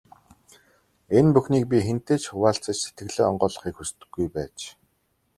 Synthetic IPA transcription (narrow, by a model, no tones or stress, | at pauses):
enpuxniːk̚p̬ʲixen̥t̪eːt͡ɕxʊwaːɬt͡sə̆t͡ɕse̥t̪̚ɡɘ̆ɮeːɔɴɢɔːɮɞ̆χiːkxust̪ɵ̥̆ɡːujpæːt͡ɕ